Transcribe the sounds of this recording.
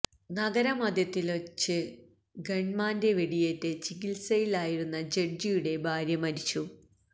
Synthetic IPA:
nɐɡɐɾɐmɐd̪jɐt̪ːilot͡ɕːɨ | ɡeɳmaːnde̞ʋeɽijetːet͡ɕikilsɐjilaːjiɽunːɐd͡ʑe̞ɖd͡ʑijuɽe̞bʱaːɾjɐmɐɾit͡ɕːu

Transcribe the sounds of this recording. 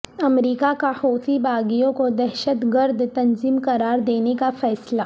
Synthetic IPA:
ɐmɾiːkakahoːt̪ibʱaːɡijõkod̪ɛɾʃət̪ɡɐɾd̪ʱt̪ɐnziːmkɐɾaːɾd̪eːnekafɛːslaː

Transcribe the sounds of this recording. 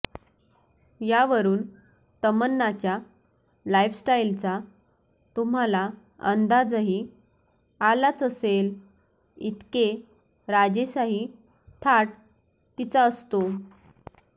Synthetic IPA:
jaʋəɾuːn | t̪əmənːat͡ɕja | lajfsʈailt͡sa | t̪um̤ala | ə̰nd̪ad͡zɦi | alat͡səsel | it̪ke | ɾad͡ʑesaɦiː | t̪ʰaʈ̚ | t̪it͡saəst̪o

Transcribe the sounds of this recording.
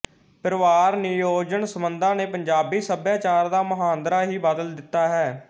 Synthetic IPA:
pəɾəʋaːɾnɪjoːd͡ʒənsəmənd̪ãːneːpəɲd͡ʒaːbiːsəbjaːt͡ʃaːɾd̪aːməɦaːnd̪ɾaːɦiːbaːd̪əld̪ɪt̪ːaːɦɛː

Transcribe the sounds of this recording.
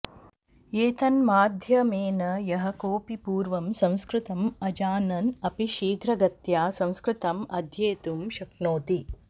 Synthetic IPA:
eːt̪ɐnmaːd̪ʱjɐmeːnɐjɐɦɐkoːpipuːɾʋɐmsɐ̃w̃skɾɪt̪ɐmɐd͡ʒaːnɐnɐpiʃiːɡɾɐɡɐt̪jaːsɐ̃w̃skɾɪt̪ɐmɐd̪ʱjeːt̪umʃɐknoːt̪i

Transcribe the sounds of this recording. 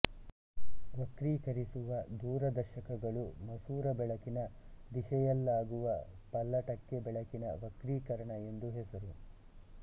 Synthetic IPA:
ʋɐkɾiːkɐɾisuʋɐd̪uːɾɐd̪ɐɾʃɐkɐɡɐɭumɐsuːɾɐbɛɭɐkinɐd̪iʃɛjɐlːaːɡuʋɐ | pɐlːɐʈɐkːebɛɭɐkinɐ̰ʋɐkɾiːkɐɾɐɳɐe̞nd̪uɦesuɾu

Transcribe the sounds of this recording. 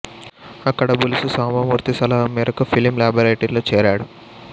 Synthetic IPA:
ɐkːɐɽɐbulususaːmɐmuːɾt̪isɐlɐɦɐmːiːɾɐkupʰilimlaːbɐɾɐjʈɐɾloːt͡ʃɛːɾaːɽu

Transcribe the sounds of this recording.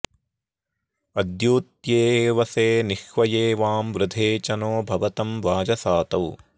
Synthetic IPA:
ɐd̪juːt̪jeːʋɐseːniʃʋɐjeːʋaːmʋɾɪd̪ʱeːt͡ʃɐnoːbʱɐʋɐt̪ɐmʋaːd͡ʒɐsaːt̪ɐw

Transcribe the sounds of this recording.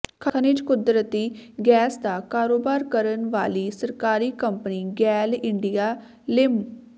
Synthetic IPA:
kʰəənɪd͡ʒkʊd̪ɾət̪iːɡɛːsd̪aːkaːɾoːbaːɾkəɾənʋaːliːsəɾkaːɾiːkəmpəniːɡɛːlɪɳɖijaː | lɪm

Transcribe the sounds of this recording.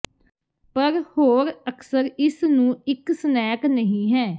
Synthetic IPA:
pəɾhoːɾəkʰsəɾɪsnũːɪksənɛːknəɦĩːɦɛː

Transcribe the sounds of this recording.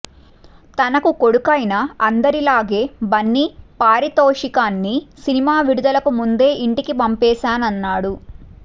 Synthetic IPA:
t̪ɐnɐkuko̞ɽukɐjnɐɐnd̪ɐɾilaːɡe̞ːbɐnːipaːɾit̪oːʂikaːnːisinimaːʋiɽud̪ɐlɐkumund̪e̞ːʔiɳʈikipɐmpɛːʃaːnɐnːaːɽu

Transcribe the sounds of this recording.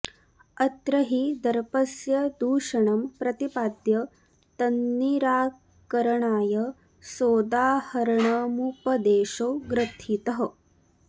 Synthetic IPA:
ɐt̪ɾɐɦid̪ɐɾpɐsjɐd̪uːʂɐɳɐmpɾɐt̪ipaːd̪jɐ | t̪ɐnːiɾaː | kɐɾɐɳaːjɐ | soːd̪aːhɐɾɐɳɐːmupɐd̪eːʃoːɡɾɐt̪ʰit̪ɐɦɐ̆

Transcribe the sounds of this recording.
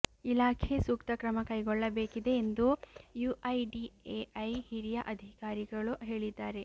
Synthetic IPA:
ilaːkʰesuːkt̪ɐkɾɐmɐkɐjɡɔɭːɐbe̞ːkid̪e̞ːnd̪ujuːʔɐjɖieːʔɐjhiɾijɐʔɐd̪ʱikaːɾiɡɐɭuɦe̞ːɭid̪ːaːɾe̞

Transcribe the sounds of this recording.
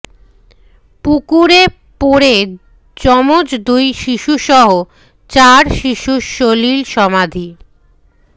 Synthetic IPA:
pukuɾe | poɾe | d͡ʑɔmod͡ʑd̪ujʃiʃuʃɔɦo | t͡ɕaɾʃiʃuʃolilʃɔmad̪ʱi

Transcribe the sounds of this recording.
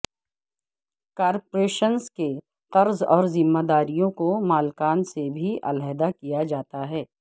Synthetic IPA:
kaːɾpɾeːʃənske | qɐɾzɔːɾzɪmːad̪aːɾijõkomaːlkaːnsebʱiʔɐ̰lɛɦd̪akijad͡ʒaːt̪aɦɛː

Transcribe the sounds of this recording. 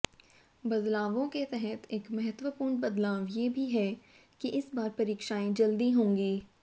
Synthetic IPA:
bɐd̪laːʋõket̪ɛɦɛt̪ʰeːkmɐɦət̪ʋəpuːɾɳbɐd̪laːʋjebʱiɦɛ | kiʔɪsbaːɾpɐɾiːkʃaːẽd͡ʒɐld̪iɦõːŋɡiː

